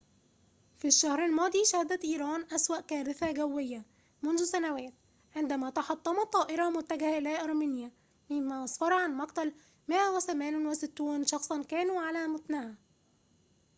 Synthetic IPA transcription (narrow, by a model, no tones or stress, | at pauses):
fiʃːæhɾalmɑːd̪ˤiːʃæhɪd̪æt̪ʔiːɾˤɑːnʔæswæʔkæːɾɪθæɡæwːɪjːa | mʊnðʊsænæwæːt̪ | ʕɪnd̪æmæːt̪ɑħɑt̪ˤːɑmɑt̪ˤːɑːʔɪɾˤɑmʊt̪ːæɡhʔɪlæːʔɑɾˤmiːnjæ | mɪmːæːʔɑsˤfɑɾˤɑʕanmɑqt̪æl | mɪʔæwɪθæmæːnnwɪsɪt̪ːuːnʃɑxsˤɑnkæːnuʕalæmʊt̪nɪhæ